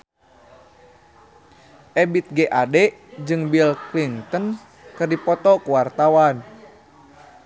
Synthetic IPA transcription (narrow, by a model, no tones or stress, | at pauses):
ʔɛbit̪̚ɡɛʔadɛd͡ʒɨŋbilklint̪ən | kɨrdipɔt̪ɔkuwart̪awan